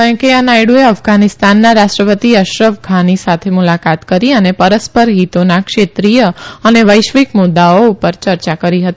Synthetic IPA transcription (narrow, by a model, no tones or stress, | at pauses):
kə̃keənajɽueəfɡanɪst̪anːaɾaʃʈɾəpət̪iəʃɾəʋɡʱanisat̪ʰemulakat̪kəɾiənepəɾəspəɾɦit̪onakʃet̪ɾijəəneʋəjʃʋikmʊd̪aoupəɾt͡ʃəɾt͡ʃakəɾiɦət̪i